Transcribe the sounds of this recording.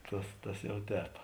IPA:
ˈtɐs tɐs ˈjɛʊ ˈtʲɛːp

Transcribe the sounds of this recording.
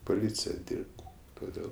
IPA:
poːˈlʲiːt͡sʲɪjɛ ˈdʲiːrpt toːˈdʲeːlˠ

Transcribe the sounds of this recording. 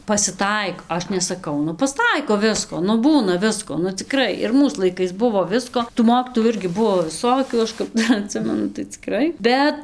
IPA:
pɐsʲɪˈtɐɪk ˈɐʃ nʲɛsɐˈkɐʊ ˈnʊ pɐsˈtɐɪkoː ˈʋʲɪskoː nʊ ˈbuːnɐ ˈʋʲɪskoː nʊ t͡sʲɪˈkrɐɪ ɪr ˈmuːs lˠɐɪˈkɐɪs ˈbʊʋoː ˈʋʲɪskoː tuː ˈmoːkʲiːtoːjuː ˈɪrʲɡʲɪ ˈbuɔ ʋʲɪˈsoːkʲuː ˈɐʃ kɐp ˈdɐr ɐˈtʲsʲɪmʲɛnʊ tɐɪ t͡sʲɪˈkrɐɪ ˈbʲɛt

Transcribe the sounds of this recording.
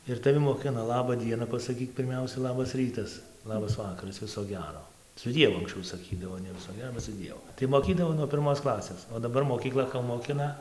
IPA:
ɪr tɐˈʋʲɪ moːˈkʲɪnɐ ˈlˠɑːbɐ ˈdʲiɛnɐ pɐsɐˈkʲiːk pʲɪrʲˈmʲɛʊsʲɛ ˈlˠɑːbɐs ˈrʲiːtɐs ˈlˠɑːbɐs ˈʋɑːkɐrɐs ˈʋʲɪsoː ˈɡʲæːroː sʊ ˈdʲiɛʋʊ ɐŋksʲˈt͡ʃʲɛʊ sɐˈkʲiːdɐʋoː nʲɛ ˈʋʲɪsoː ˈɡʲæːroː sʊ ˈdʲiɛʋʊ tɐɪ moːˈkʲiːdɐʋoː nuɔ pʲɪrˈmoːs ˈklˠɑːsʲeːs oː dɐˈbɐr moːkʲiːˈklˠɐ koː moːˈkʲɪnɐ

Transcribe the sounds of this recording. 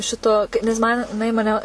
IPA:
ˈʃʲɪtoː nʲɛs ˈmɐn jɪˈnɐɪ mɐˈnʲɛ

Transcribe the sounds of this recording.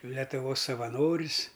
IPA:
lʲɛtʊˈʋoːs sɐʋɐˈnoːrʲɪs

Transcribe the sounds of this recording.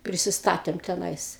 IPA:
pʲrʲɪsʲɪˈstɑːtʲeːm tʲɛˈnɐɪs

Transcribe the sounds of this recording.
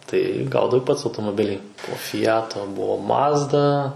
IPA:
tɐɪ ˈɡɐʊdɐʋɐɪ ˈpɐts ɐʊtoːmoːˈbʲɪlʲiː poː fʲɪˈjæːtoː ˈbʊʋoː ˈmɑːzdɐ

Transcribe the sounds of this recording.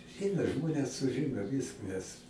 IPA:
ˈɛɪnɐ ˈʒmoːnʲɛs sʊˈʒʲɪnoː ˈʋʲiːskɐs

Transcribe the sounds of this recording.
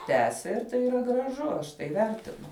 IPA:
ˈtʲæːsʲɛ ɪr ˈtɐɪ iːˈrɐ ɡrɐˈʒʊ ˈɐʃ tɐɪ ˈʋʲɛrʲtʲɪnʊ

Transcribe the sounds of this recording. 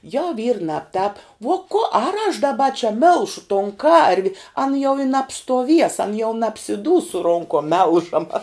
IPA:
jɛʊ ʋʲiːr ˈnɑːpˌtɑːp ʋoː koː ɐr ɐʃ dɐˈbɐ t͡ʃʲɛ ˈmʲɪlˠʃʊ toːn ˈkɐrʲʋʲɪ ɐn jɛʊ ɪ nɐpstuɔˈʋʲiɛs ɐn jɛʊ nɐpʲsʲɪˈduːs sʊ ˈroːŋkoːm ˈmʲɛlˠʒɐmɐ

